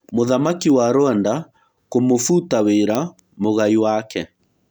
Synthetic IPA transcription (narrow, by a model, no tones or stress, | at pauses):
moðamakiwaɾowanda | komofuːtaweːɾa | moɣaiwakɛ